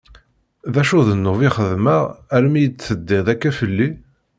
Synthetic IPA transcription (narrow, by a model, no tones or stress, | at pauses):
ðæʃuðənːʊviχəðməʁæɾmijət͡sːθəd̪ːɪʁðækːæfəlːi